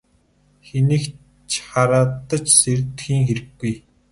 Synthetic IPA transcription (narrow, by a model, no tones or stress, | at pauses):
xenĭk | t͡ɕʰχaɾaːt̪ːə̆t͡ɕsert̪xiːŋxeɾɘ̆ɡːuj